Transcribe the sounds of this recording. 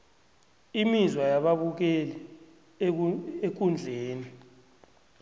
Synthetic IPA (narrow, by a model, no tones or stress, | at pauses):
imizwajaɓaɓuk̬ɛlɛ | ek̬und͡ɮʱeːni